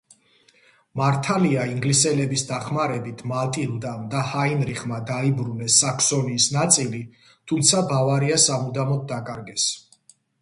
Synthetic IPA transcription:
maɾt̪ʰaliaiŋɡlisɛlɛbisd̪aχmaɾɛbit̪ʰmalt̪ʼild̪amd̪ahainɾiχmad̪aibɾunɛsːakʰsɔniːsnat̪sʼili | t̪ʰumt̪sʰabavaɾiasamud̪amɔd̪̚d̪akʼaɾɡɛs

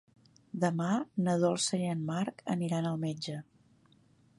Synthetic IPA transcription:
d̪əmanəðɔlˠsəənmaɾkə̰niɾanəlˠmed͡ʒə

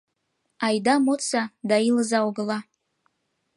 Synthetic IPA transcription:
ɑjd̪amot͡sad̪ailəzaoɡəla

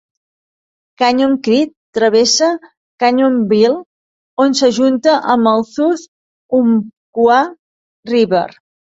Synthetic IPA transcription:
kaɲoŋkɾit̪ːɾəβesə | kaɲombilˠ | onsəʒunt̪əʔəməlˠsuθ | umkwa | riβə̰ɾ

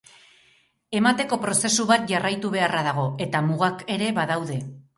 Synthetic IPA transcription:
e̞mat̪e̞ko̞pɾo̞se̞suβat̪̚ʝarajt̪uβe̞araðaɣ̞o̞e̞t̪amuɣake̞ɾe̞βaðawðe̞

